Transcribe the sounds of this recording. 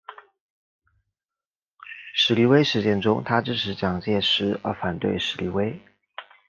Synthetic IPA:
ʂɻ̩˨˥li˧˥we˥ɪʂɻ̩˧˥t͡ɕjɛ˥˩nʈ͡ʂʊ˥ŋt̪ʰa˥ʈ͡ʂɻ̩˥ʈ͡ʂʰɻ̩˧˥t͡ɕjɑ˨˩ŋt͡ɕjɛ˥˩ʂɻ̩˧˥ə̰˞˧˥fa˨˩nt̪wḛ˥˩ɪʂɻ̩˧˥li˧˥we˥ɪ

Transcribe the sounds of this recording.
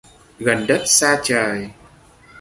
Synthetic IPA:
ɣə˨˩nɗə˦˥t̚saː˧t͡ɕəː˨˩j

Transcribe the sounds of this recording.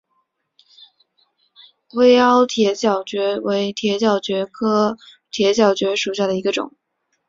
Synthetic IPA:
we˥ɪɑ˥ʊt̪ʰjɛ˧˥t͡ɕjɑ˨˩ʊt͡ɕɥɛ˧˥we˧˥ɪt̪ʰjɛ˧˥t͡ɕjɑ˨˩ʊt͡ɕɥɛ˧˥kʰɤ˥ | t̪ʰjɛ˧˥t͡ɕjɑ˨˩ʊt͡ɕɥɛ˧˥ʂu˨˩ɕ̬ja˥˩d̪ə˩i˧˥ɡə˧ʈ͡ʂʊ̰˨˩˦ŋ

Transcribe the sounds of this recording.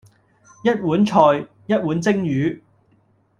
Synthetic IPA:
jɐ˥t̚wuː˨˥nt͡ʃʰɔː˨j | jɐ˥t̚wuː˨˥nt͡sɪ˥ŋjyː˨˥

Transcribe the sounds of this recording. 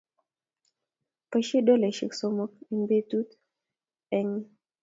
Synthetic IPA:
pə˦ʃi˦do˦le˨ʃḭ˨kso˦mo˦k̚i˨˦mbe˦t̪u˦t̪ | ɛ˦ɲ˦

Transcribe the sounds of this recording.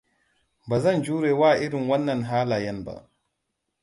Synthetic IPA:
ba˨zɐ˦nd͡ʒuː˦ɾeː˨wa˦ʔi˦ɾi˨nwɐ˦nːɐ˨nɦaː˦laː˨jɐ˦nba̰˨

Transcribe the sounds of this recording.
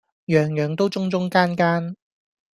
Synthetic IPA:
jœː˨˧ŋjœː˨˧ŋt̪o˥wt͡sʊ˥ŋt͡sʊ˥ŋkaː˥nkaː˥n

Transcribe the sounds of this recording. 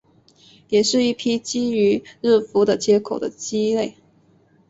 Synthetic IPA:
jɛ˨˩ʂɻ̩˥˧i˥˩pʰi˥t͡ɕi˥y˧˥ɻ̩˥˩fu˧˥d̪ə˨t͡ɕjɛ˥kʰo˨˩ʊd̪ə̰˦t͡ɕi˥le˥˩ɪ

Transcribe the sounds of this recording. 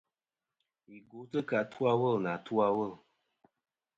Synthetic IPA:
i˨ɡu˨˦tə˦ka˨tʰu˦a˦wə˦˨lna˨tu˦a˦˧wə˦˨l

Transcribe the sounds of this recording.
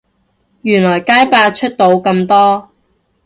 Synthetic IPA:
jyː˨˩nlɔː˨˩jkaː˥jpaː˧t͡ʃʰɵ˥t̚t̪o˨˧wkɐ˧mt̪ɔː˥

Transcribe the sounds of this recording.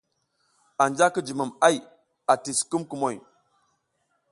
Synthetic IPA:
a˨nd͡ʒa˦ki˦d͡ʒi˨mu˨ma˦j | a˨ti˨sku˦mku˨mo˨j

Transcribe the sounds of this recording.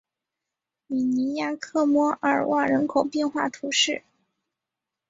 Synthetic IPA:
mi˨˩ni˧˥ja˥kʰɤ˥˩mwɔ˥ʔə˞˨˩wʔa˥˩ɻə˧˥nkʰo˨˩ʊpjɛ˥˧nxwa̰˥˩t̪ʰu˧˥ʂɻ̩˥˩

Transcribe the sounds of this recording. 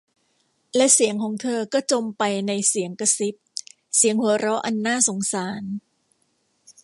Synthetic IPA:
lɛ˦˥ʔsi˩˦əŋkʰɔː˩˦ŋt̪ʰɤː˧kɔː˥˩t͡ɕo˧mpa˧jna˧jsi˩˦əŋka˧si˦˥p̚ | si˨˩˦əŋhu˨˩˦ɐɾɔ˦˥ʔa˧nːaː˥˩so˩˦ŋsaː˩˦n

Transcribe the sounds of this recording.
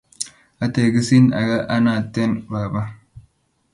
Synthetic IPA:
ʔɐ˦t̪eː˨ɡɪ˦si˦nɐ̰˨ɡɐ˦ʔɐ˦naː˨t̪ːe˦nbaː˨bɐ˦

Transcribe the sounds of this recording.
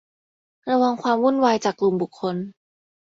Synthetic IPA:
ɾa˧wa˧ŋkʰwaː˧mwu˥˩nwaː˧jt͡ɕaː˨˩kːlu˨˩mbu˨˩kʰːo˧n

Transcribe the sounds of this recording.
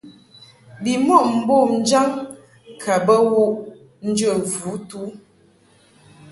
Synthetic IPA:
bi˨mɔ˦˨m̩˨bo˦˨n̩˦d͡ʒa˦ŋ | kʰa˨bə˦wo˦˨ʔ | n̩˦d͡ʒə˦˨vu˨˦tu˦

